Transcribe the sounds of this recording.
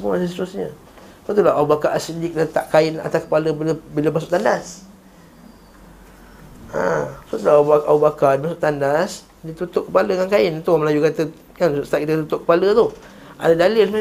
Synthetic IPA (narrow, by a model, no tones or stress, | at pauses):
səmuasəsit̪ɾʊsɲə | sat̪̬ulaaubakaʔːsilɪk̚dat̪aʔkaɪna̰t̪akəpaləbiləbiləmasʊʔt̪andas | a̰sat̪ulabaʔaubakaʔdimasʊʔt̪andas | dit̪ut̪ʊʔkəpaləkankaɪnt̪uməlajukat̪ə | kansʔst̪aʔkit̪ət̪ut̪ʊʔkə̥palət̪u | ʔa̰dadalɪlm